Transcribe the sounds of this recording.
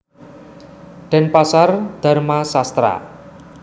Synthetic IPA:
ɖ̪̥ɛ̤npasard̪̥a̤rmasast̪ɾa̰

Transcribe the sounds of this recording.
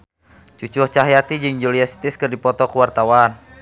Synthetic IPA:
t͡ʃut͡ʃuht͡ʃaɦjat̪id͡ʒɨŋd͡ʒuliasi̥t̪iskɨrdipɔt̪ɔkuwart̪awan

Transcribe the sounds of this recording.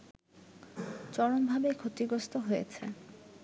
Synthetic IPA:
t͡ɕɔɽonbʱabekʰot̪iɡɾost̪oɦojet͡ɕʰḛ

